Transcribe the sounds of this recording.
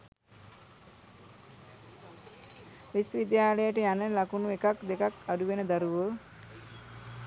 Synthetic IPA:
ʋisʋid̪jaːləjəʈəjanəlakunuekakd̪ekakaɖuʋenəd̪aɾuʋo

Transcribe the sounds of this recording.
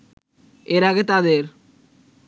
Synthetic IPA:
eɾaɡet̪ad̪eɾ

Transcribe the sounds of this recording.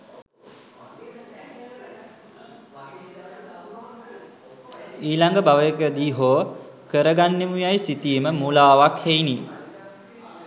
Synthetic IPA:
iːlaŋɡəbaʋəjəkəd̪iːɦoː | kəɾəɡanːemujajsit̪ijəməmulaːʋakhejniː

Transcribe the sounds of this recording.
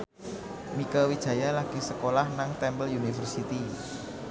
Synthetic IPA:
mikəwid̥ʒ̥a̤jalaɡ̥isəkolahnaŋt̪ɛmbəlunifərsit̪i

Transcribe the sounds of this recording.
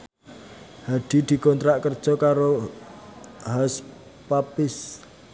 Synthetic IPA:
haɖ̪̥i̤d̪̥i̤kɔnt̪ɾaʔkərd̥ʒ̥ɔ̤kaɾo | has | papɪs

